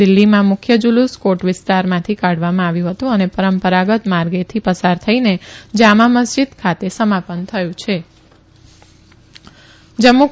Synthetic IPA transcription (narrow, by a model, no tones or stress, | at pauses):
ɪlːimãmʊkʰjəd͡ʒuluskoʈʋɪst̪aɾmãt̪ʰikaɽ̤ʋamãaʋjũɦət̪ũənepəɾəmpəɾaɡət̪maɾɡet̪ʰipəsaɾt̪ʰəined͡ʒamaməsd͡ʒid̪kʰat̪esəmapənt̪ʰəjũt͡ʃʰe | d͡ʒəmːu